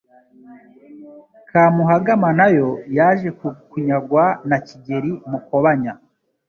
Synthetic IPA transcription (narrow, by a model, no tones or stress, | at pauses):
kʰaːmuɦaɡamanajo̞jaːʒe̞kkuɲaɡwanaciɟe̞ɾimukoβaɲa